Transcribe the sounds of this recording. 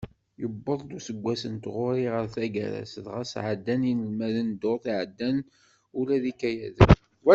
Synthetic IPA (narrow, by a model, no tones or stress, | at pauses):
jəbːəðˤd̪usəɡʷːæsənt̪ʁoɾiʁəɾθæɡæ̰ɾæ̰sðʁasʕəd̪ːæninəlmæðənd̪oθiʕəd̪ːæn | ulæðikæjæð | wæ